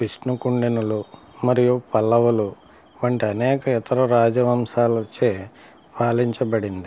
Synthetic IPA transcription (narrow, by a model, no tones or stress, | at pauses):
piʂnukuɳɖinulu | mɐɾijupɐlːɐʋɐlu | ʋɐɳʈiɐnɛːkɐit̪ʰɐɾɐɾaːd͡ʒɐʋɐmsaːlɐt͡ʃːeː | paːliɲt͡ʃɐbɐɽind̪i